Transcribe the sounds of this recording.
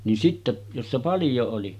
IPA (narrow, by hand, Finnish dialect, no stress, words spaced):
nin sitːe josːɑ pɑljo oli